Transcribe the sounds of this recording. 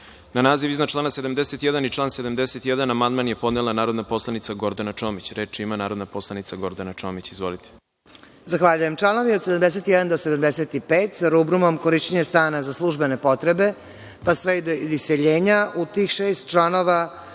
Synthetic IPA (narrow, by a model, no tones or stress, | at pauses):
nanaːziʋiznat͡ʃlˠaːnased̪amd̪eset̪jɛd̪anit͡ʃlˠaːnsed̪amd̪eset̪jɛd̪anamand̪manjepo̞d̪nelˠanaːɾo̞d̪naposlˠanit̪saɡo̞ɾd̪anat͡ʂomit͡ɕɾeːt͡ʃiimanaːɾod̪napo̞slˠanit̪saɡo̞ɾd̪anat͡ʃoːmit͡ɕizʋolit̪ʰe̥ | zaxʋaʎujemt͡ʃlˠano̞ʋiod̪sed̪amd̪es̬et̪jɛd̪and̪osed̪amd̪eset̪ipeːt̪zaɾubɾumo̞mko̞ɾiʃt͡ɕeɲest̪aːnazaslˠuʒbe̞ne̞po̞t̪ɾebe̞ | pasʋed̪oiseʎeːɲaut̪iːxʃeːst̪̚t͡ʃlˠano̞ʋa